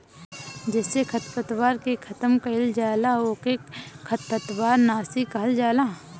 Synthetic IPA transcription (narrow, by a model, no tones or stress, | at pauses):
d͡ʒɛːsekʰɐt̪pət̪waːɾkekʰɐt̪əmkɐɪld͡ʒaːlaoːkekʰːɐt̪̚pət̪waːɾnaːsikɐɦəld͡ʒaːlaː